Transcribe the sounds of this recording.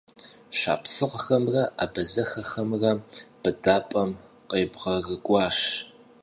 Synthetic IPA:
ɕa̰ːpsɨqxɐmrɐʔa̰ːbɐzɐxɐxɐmrɐb̥ɨdaːpʼɐm | qʼeːbʁɐrɨɡʷʼɑːʂ

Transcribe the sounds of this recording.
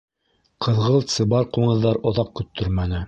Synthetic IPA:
qʰɤ̆ðʁɤlˠt̪sɤ̆bɑɾquɴɤ̆ðːɑɾŏðɑq̚kɵ̆t̪ʰːɵɾmænɘ

